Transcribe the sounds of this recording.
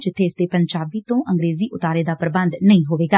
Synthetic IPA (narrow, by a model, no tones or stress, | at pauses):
d͡ʒɪt̪ʰːeːɪsd̪eːpəɲd͡ʒaːbiːt̪õːʔʔəŋɡɾeːziːʔʊt̪aːɾeːd̪aːpɾəbənd̪nəĩːɦoːʋeːɡaː